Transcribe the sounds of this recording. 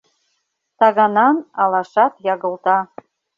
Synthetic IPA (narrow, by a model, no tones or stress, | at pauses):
t̪ɑɣɑnɑnɑlˠɑʃɑt̪jɑɣɤ̆lˠt̪ɑ